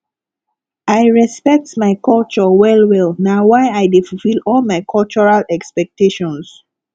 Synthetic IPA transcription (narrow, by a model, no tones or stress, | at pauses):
aɪɹɛspɛk̚tmaɪkɔlt͡ʃɔwɛlwɛlˠnawaɪaɪdefufilɔlmaɪkʰɔlt͡ʃɔɹalɛkspɛk̚teʃɔ̃ns